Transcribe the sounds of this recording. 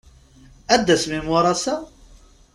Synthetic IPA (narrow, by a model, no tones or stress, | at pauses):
æd̪ːæsmimʊɾˤɑsæ